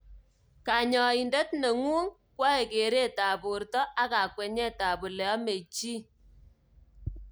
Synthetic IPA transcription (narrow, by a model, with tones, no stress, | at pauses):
ka˨ɲɔ˨i˨ndɛ˦tne˨ŋu˦ŋ | kwɔ˦e˨ke˨ɾe˦ta˨bu˨ɾtɔ˦ʔa˦ka˨kwe˨ɲɛ˦ta˨bu˨lɛ˨ɔ˦me˨t͡ʃi˦